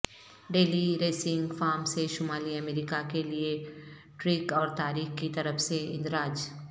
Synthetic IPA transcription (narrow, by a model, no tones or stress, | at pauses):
ɖeːliɾeːsɪ̃ŋɡfaːɾmseʃʊmaːliɐmeːɾiːkakelie | ʈɾiːkɔːɾt̪aːɾiːxkit̪ɐɾəfseɪ̰̃nd̪ɾaːd͡ʒ